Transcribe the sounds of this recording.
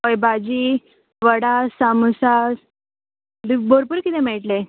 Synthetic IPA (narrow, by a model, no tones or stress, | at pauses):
ɦojbad͡ʑiː | ʋəɽasamusa | lboɾpuɾkit̪emɛʈle